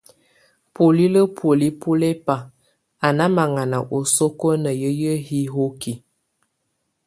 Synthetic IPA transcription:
po˨li˦lə˦pʰo˨li˦pʰo˦le˦pa˨ | a˨na˦ma˨ŋa˨na˨ʔo˨so˦ko˦nə˨jə˦jə˦hi˦ɦo˦ki˨

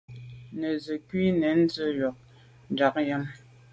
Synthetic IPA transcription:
nə˨zə˨kwi˦nɛ˨˦n̩˦d͡zə˦jɔ˨k̚ | n˨d͡ʒa˨˦k̚jə˦m

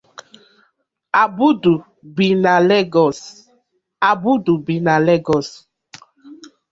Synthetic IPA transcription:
a˨bu˦du˨ | bi˨na˨lɛ˦ɡɔ˨s | a˨bu˦du˨bi˨na˨lɛ˦ɡɔ˨s

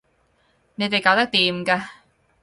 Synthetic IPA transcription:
ne˨˧jt̪e˨jkaː˧wt̪ɐ˥k̚t̪iː˨mkaː˧

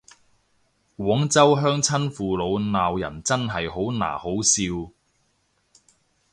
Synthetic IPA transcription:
kwʷɔː˨˥ŋt͡sɐ˥wɦœː˥ŋt͡sʰɐ˥nfuː˨lo˨˧wnaː˨wjɐ̰˨˩nt͡sɐ˥nɦɐ˨jɦo˨˥wna̰ː˨˩ho˨˥wsiː˧w

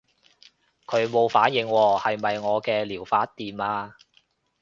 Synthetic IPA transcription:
kʰɵ˨˧ɥmo˨˧wfaː˨˥njɪ˨˧ŋwɔː˧hɐ˨jmɐ˨jŋɔː˨˧kɛː˧liː˨˩wfaː˨˥t̚t̪iː˨naː˧

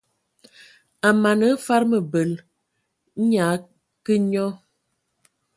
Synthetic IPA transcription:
a˨ma˨nə˨˦fa˦ɾmə˨bə˨l | ɲa˨˦ | kə˦ɲɔ˦

